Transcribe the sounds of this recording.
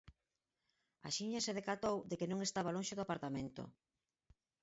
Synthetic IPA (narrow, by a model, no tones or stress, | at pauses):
a̰ʃiɲaseð̞ekat̪owd̪ekɪnõŋest̪aβalõnʃeðoapaɾt̪amẽnt̪o̰